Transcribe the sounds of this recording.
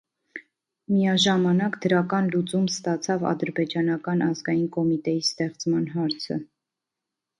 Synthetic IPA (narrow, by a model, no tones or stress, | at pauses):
mijɑʒɑmɑnɑkd̪əɾɑkɑnlut͡sumst̪ɑt͡sʰɑvɑ̰d̪əɾbɛd͡ʒɑnɑkɑnɑzɡɑjinkɔmit̪ɛjist̪ɛχt͡smɑn̪ɦɑɾt͡sʰə̰